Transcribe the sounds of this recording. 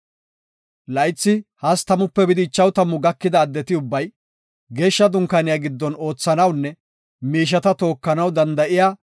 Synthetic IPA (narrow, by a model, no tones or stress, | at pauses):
lɐjt͡sːɪhɐst̪ɐmʊpːɛbɪd̪ɪːt͡ʃːɐwt̪ɐmʊɡɐkːɪd̪ɐːd̪ːɛt̪ɪʊbːɐj | ɡe̞ːʃːɐd̪ʊŋkːɐnɪjaːɡɪd̪ːɔno̞ːt͡sːɐnɐwnːɛ | miːʃ̬ɐt̪ɐt̪o̞ːkːɐnɐwd̪ɐnd̪ɐʔɪjaː